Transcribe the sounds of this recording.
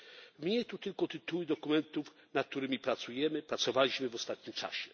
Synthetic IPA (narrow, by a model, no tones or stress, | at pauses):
mɲɛt̪ut̪ɘlkɔt̪ɘt̪uwɘd̪ɔkumɛnt̪ufnat̪̚t̪uɾɘmʲipɾat̪sujɛmɘpɾat̪sɔvalʲiɕmɘvɔst̪at̪̚ɲimt͡ʂa̰ɕɛ